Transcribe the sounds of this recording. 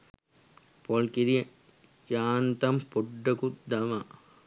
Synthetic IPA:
poɭkiɾiɐ | jaːnt̪ɐmpuɖːɐkud̪ɐmɐ

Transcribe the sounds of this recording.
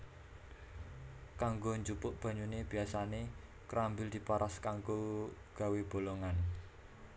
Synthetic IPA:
kaŋɡoɲd͡ʒupʊʔb̥ä̤ɲuneb̥i̤asane | kɾambɪld̪̥i̤paɾʔaskaŋɡoɡ̥a̤web̥o̤loŋan

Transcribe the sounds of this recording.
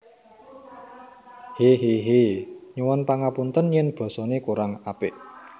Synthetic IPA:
heɦeɦeɲuwɔnpaŋapunt̪ənjɛnb̥ɔ̤sɔnekuɾaŋapɪʔ

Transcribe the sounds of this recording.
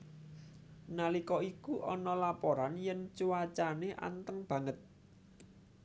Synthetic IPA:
nalikɔikuʔɔnɔlapoɾanjɛnt͡ʃuwat͡ʃaneʔa̰nt̪əŋb̥ä̤ŋət̪̚

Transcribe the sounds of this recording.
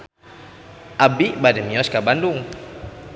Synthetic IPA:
ʔabiʔbadɛmiɔskabandʊŋ

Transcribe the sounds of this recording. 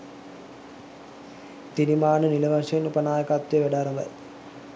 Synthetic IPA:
t̪inimaːnɨnilɐʋɐʂɐnupɐnaːjɐkaːt̪ːʋeʋeɖaːɾɐmʋɐ̰j

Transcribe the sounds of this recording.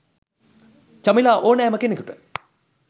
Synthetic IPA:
t͡ɕɐmilaʔoːnɛːməkenikuʈə̥

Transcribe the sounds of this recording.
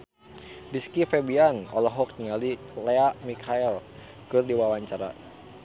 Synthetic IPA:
diskifɛbianɔlɔɦɔk̚ɲiŋalilɛamikʰaɛl | kɨrdiwawaɲt͡ʃaɾa̰

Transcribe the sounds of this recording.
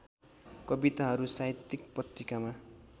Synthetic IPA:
kʌbit̪aɦʌɾusat̪ːik̚prʌt̪rikama

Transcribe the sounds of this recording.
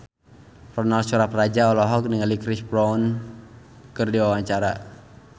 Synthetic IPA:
rɔnalsuɾaprad͡ʒaɔlɔɦɔk̚niŋalikɾispɾɔwn | kɨrdiwawaɲt͡ʃaɾa

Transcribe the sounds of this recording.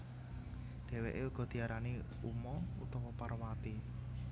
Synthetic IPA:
ɖ̥e̤wḛʔeuɡ̥ɔ̤d̪̥i̤aɾani | umɔṵt̪ɔwɔparwat̪i

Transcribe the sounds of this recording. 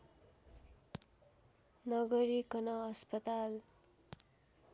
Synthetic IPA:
nʌɡʌɾikʌnʌʌspʌt̪al

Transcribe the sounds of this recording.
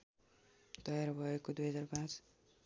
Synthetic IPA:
t̪ʌjaɾbʱʌekod̪ujɦʌd͡zarpãt͡s

